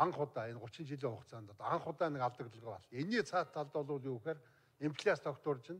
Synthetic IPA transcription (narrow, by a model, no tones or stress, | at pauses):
aɴχʊt̪aːenɢʊt͡ɕɪ̆nt͡ɕiɮʲiːŋχʊqt͡sʰaːnt̪ʰɔt̪aaɴχʊt̪aːnĕkaɮt̪ə̆kt̪ə̆ʁə̆a̰ɮeniːt͡sʰaːt̪ʰːaɮt̪ɔːɮʊːɮjuːxeːr | empʰɮʲast̪ʰɔkt̪ʊːrt͡ɕɪ̆n